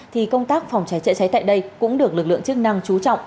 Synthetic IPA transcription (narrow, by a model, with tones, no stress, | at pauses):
t̪ʰi˨˩kə˧wŋ͡mt̪aː˦˥k̚fa˨˩wŋ͡mt͡ɕa˨˦jt͡ɕə̰˧˥t͡ɕa˨˦jt̪a̰ː˧˨jɗə˧jkʊ̰˧˥ŋ͡mɗɨ˨˩ək̚lɨ˨˩k̚lɨ̰˧˨əŋt͡ɕɨ˦˥k̚na˧ŋt͡ɕu˨˦t͡ɕɔ̰˧˨wŋ͡m